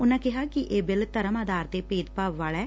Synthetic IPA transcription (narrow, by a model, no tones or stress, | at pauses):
ʊnãːkɪɦaːkɪʔeːbɪlt̪əɾəmaːd̪aːɾt̪eːpeːd̪paːʋːaːlɛː